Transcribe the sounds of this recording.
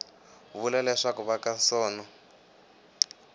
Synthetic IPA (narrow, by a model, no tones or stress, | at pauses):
βulalɛʂakuβakasɔːnɔ